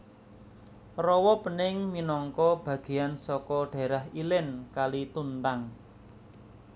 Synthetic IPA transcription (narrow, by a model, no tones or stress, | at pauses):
rɔwɔpənɪŋminɔŋkɔb̥ä̤ɡ̥e̤jansɔkɔɖ̥a̤ɾaɦilɪnkalit̪unt̪aŋ